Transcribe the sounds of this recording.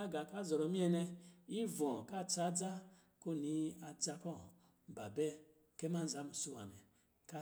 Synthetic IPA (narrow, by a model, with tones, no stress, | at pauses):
a˦ɡa˨ka˦zɔ˨ɾɔ˨˦mi˦ɛ˦nɛ˧i˦vɔ̃˨ka˦˨t͡sa˦d͡za˦ | ko˦˨ni˦a˨d͡za˧kɔ˦˨ | ba˨bɛ˦ | ke˦ma˦n̩˦za˨˦m˨su˦wa̰˨nɛ̰˨ | ka˦